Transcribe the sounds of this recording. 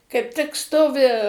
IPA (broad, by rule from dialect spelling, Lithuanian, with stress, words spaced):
kɐɪp ˈtʲɪk ˈstoːʋʲɪ